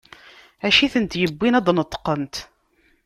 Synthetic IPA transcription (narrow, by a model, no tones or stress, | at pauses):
ʕæʃiθənt̪jəbːinæd̪ˤnət̪ˤːqənt̪